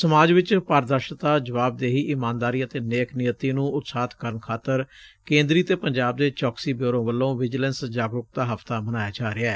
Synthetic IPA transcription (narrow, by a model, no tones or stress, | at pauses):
səmaːd͡ʒʋɪt͡ʃpaːɾd̪əɾʃt̪aːd͡ʒəʋaːb̚d̪eːɦiːʔɪmãːnd̪aːɾiːət̪eːneːknɪjət̪iːnũːʊt̪saːt̪kəɾənkʰaːt̪əɾkẽːnd̪ɾiːət̪eːpəɲd͡ʒaːb̚d̪eːt͡ʃɔːksiːbjoːɾõːʋəlːõːʋɪd͡ʒlənsd͡ʒaːɡɾʊk̚d̪aːɦəft̪aːbənaːjaːd͡ʒaːɾeɛː